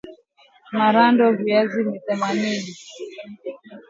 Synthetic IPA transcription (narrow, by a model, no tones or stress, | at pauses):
maɾandɔviazimiθɛmanini